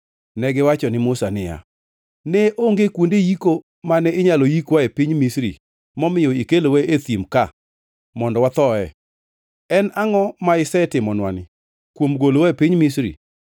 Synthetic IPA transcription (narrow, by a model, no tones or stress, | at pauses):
nɛɡɪwat͡ʃɔnɪmʊsanɪja̰ | nɛʔoŋɡekwondejiko | manɛɪɲalojikwaepiɲmisɾḭ | mɔmɪjɔikelowɛʔet̪imka | mɔndɔwat̪ɔɛ̰ | ɛnaŋɔmaɪsɛtɪmɔnwanɪ | kwomɡolowaepiɲmisɾḭ